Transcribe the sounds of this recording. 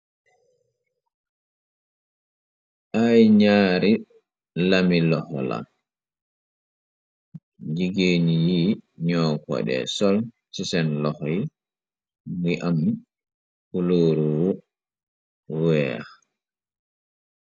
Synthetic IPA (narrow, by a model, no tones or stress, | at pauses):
ʔajɲaːɾi | lamilɔhɔ̰la̰ | d͡ʒiɡeːnijiːɲɔːkɔ̰ɗɛ̰sɔl | sisɛnlɔhɔj | miʔam | kuloːɾuwu | wɛa̰